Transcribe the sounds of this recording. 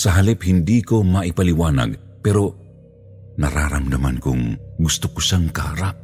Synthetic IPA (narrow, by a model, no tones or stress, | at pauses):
sɐɦalɪphɪnd̪ikomɐʔɪpalɪwaːna̰ɡ | pɛɾo | nɐɾa̰ːɾa̰md̪ɐma̰nkʊŋɡʊst̪ʊkʊʃaŋkɐhaɾap̚